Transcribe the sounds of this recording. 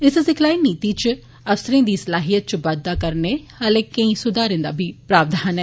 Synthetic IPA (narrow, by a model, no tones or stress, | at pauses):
ɪssɪkʰlaːiːnːiːt̪iːt͡ʃ | əfsəɾẽːd̪iːsəlaːɦijət̪̚t͡ʃbəd̪ːaːkəɾneːhəlẽːkə̃ĩːsʊd̪aːɾɪ̃ːnd̪a̰ːbʱiːpɾaːbd̪ʱaːnɛː